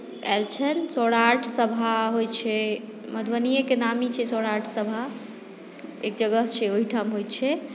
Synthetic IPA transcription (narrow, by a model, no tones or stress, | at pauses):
ɛ̰lt͡ʃʰɛnsɔɽaʈʰsəbʱaɦojt͡ʃʰɛ | məd̪ʱwənijekenamit͡ʃʰɛsɔɽaʈʰsəbʱa | ekd͡ʒəɡəɦt͡ʃʰɛoɦiʈʰamɦojt͡ʃʰɛ